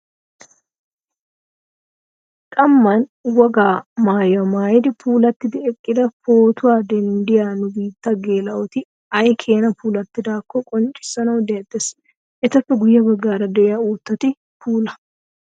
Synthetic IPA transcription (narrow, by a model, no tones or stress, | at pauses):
kʼɐmːɐnwɔɡaːmaːjɐmaːjɪd̪ɪpʰuːlɐt̪ːɪd̪ɪɛkʼːɪd̪ɐfo̞ːt̪ʊwaːd̪ɛnd̪ɪjaːnʊbiːt̪ːɐɡeːlɐwɔt̪ɪ | ɐjkʰe̞ːnɐpuːlɐt̪ːɪd̪aːkːɔkʼɔnt͡ʃʼɪ̥sːɐnɐwd̪ɛjɐt̪ːɛs | ʔɛt̪ɐfːɛɡʊjːɐbɐɡːaːɾɐd̪ɛʔɪjauːt̪ːɐt̪ɪ | pʰuːlɐ